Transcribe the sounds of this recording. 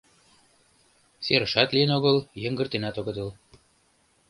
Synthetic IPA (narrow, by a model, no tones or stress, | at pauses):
seɾə̆ʃɑt̪lijənoɣɤ̆ljə̆ŋɡə̆rt̪enæt̪oɣɤ̆d̪ɤl